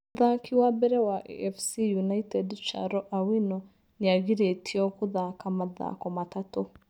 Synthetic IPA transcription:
ðakʰiwabɛɾɛwaʔɛ̰ɛfsijunaitɛdt͡ʃa̰ɾɔʔawinɔ | niaɣiɾetʰiɔkuðakamaða̰kɔmatatu

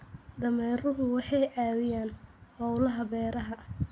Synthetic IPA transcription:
d̪ɐmɛːrʊɦʊwɑħɑjʕɑːwɪjaːnhɔwlɐɦɐbɛːɾɐɦɐ

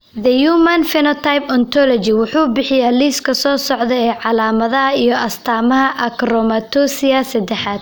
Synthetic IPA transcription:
ðɐjuːmɐnfɪnɔt̪ʰajpɔnt̪ʰɔlɔt͡ʃɪwʊħuːbɪħɪjaːliːskʰɐsɔːsɔʕd̪ɛɛːʕɑlaːmɐðɐɦɐijɔʔɐst̪ʰaːmɐɦɐʔɐkɾɔmɐt̪ʰɔsɪjasɐd̪ɛħaːd̪̚

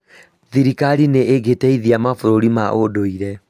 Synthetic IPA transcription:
ðiɾikaɾineʔeɡetɛiðiamafoɾoɾimaʔodoiɾɛ

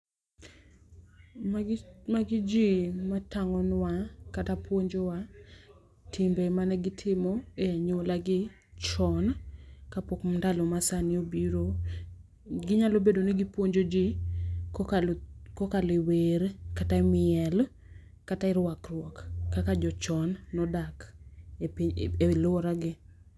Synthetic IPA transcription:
maɡɪd͡ʒimataŋɔnwakatapwoɲd͡ʒowa | tʰɪmbemanɛɡɪtʰɪmɔeaɲolaɡɪ | t͡ʃɔnkapɔkmndalomasanɪobiɾo | ɡɪɲalobedonɪɡɪpwoɲd͡ʒod͡ʒɪ | kokalɪweɾkatamɪɛl | kataɪɾwakrwɔkːakad͡ʒɔt͡ʃɔnːɔdak | elɔɾaɡɪ

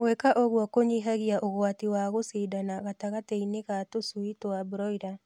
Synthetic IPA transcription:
wekaʔoɣwɔkoɲiɦaɣiaʔoɣwatiwaɣosedanaɣataɣateineɣatosuitoabɾɔida

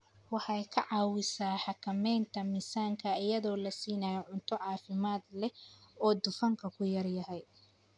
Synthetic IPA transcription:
wɑħɑjkʰɐʕɑːwɪsaːħɑkʰɐmɛjnt̪ʰɐmɪsaːŋkʰɐɪjɐðɔːlɐsiːnajɔʕʊnt̪ʰɔʕɑːfɪmaːd̪lɛɔːd̪ʊfɐŋkʰɐkʰʊjɐrjɐɦɛj

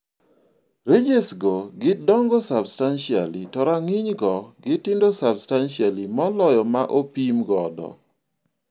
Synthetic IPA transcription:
ɾed͡ʒesɡoɡɪdɔŋɡɔsabstanʃia̰litɔɾaŋɪɲɡɔɡɪtɪndosabstanʃialimɔlɔjɔmaʔopimɡɔdɔ̰

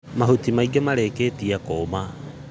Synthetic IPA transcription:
maɦhutimaiɡemaɾekeːtiakoma

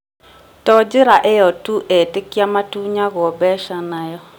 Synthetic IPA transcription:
tɔd͡ʒɪɾaʔejɔtuʔɛtɪkiamatuɲaɣɔbɛʃanajɔ

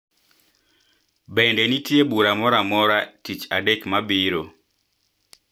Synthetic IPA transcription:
bɛndɛnitjebuɾamɔɾamɔɾatit͡ʃa̰dɛkmabiɾo

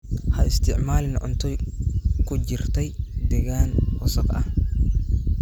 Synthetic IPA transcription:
hɐɪst̪ʰɪʕmaːlɪnʕʊnt̪ʰɔjkʰʊt͡ʃɪrt̪ʰɛjd̪ɛɣaːnwʊsɐqʔɐ̰h

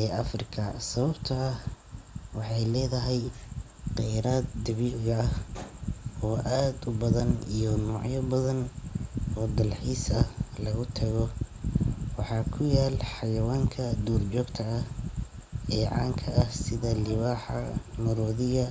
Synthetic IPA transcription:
ɛːɐfrɪkʰɐsɐβɐbt̪ʰɐːh | wɑħɑjlɛːðɐɦɛj | qɛjɾaːd̪d̪ɐβiːlɣɐɐh | ɔːʔaːd̪ʊbɐðɐnijɔnɔːʕjɐbɐðɐn | ɔːd̪ɐlħiːsɐhlɐɣʊt̪ʰɐɣɔ | wɑħɑːkʰʊjaːlħɑjɐwaːŋkʰɐd̪uːrt͡ʃɔːɡt̪ʰɐɐh | ɛːʕɑ̰ːŋkʰɐʔɐhsɪðɐlɪβaːħɑmʊɾɔːðɪɣɐ

